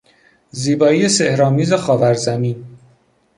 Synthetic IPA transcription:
ziːbɒːiːjesehɾɒːmiːzexɒːvæɾzæmiːn

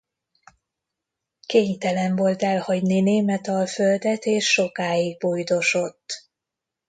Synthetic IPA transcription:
keːɲt̪ɛlɛɱvo̞lt̪ɛlhɒɟnineːmɛt̪ɒlføld̪ɛt̪eːʃːo̞kaːiɡ̚bojd̪o̞ʃo̞t̪ː

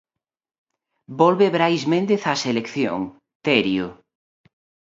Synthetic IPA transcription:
bɔlβeβɾajzmẽnd̪eθaselekθjo̰ŋ | t̪ɛɾjo

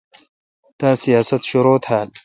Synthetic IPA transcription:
t̪aːsijaːsɐt̪ɕoɾoːt̪haːl

